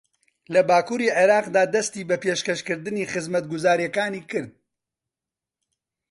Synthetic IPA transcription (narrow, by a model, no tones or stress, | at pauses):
lɐbaːkuːɾiːʕeɾɑːqd̪aːd̪ɐst̪iːbɐpeːʃkɐʃkɨɾd̪ɨniːχɨzmɐt̪̚ɡʊzaːɾjɛkaːniːkɨɾd̪̚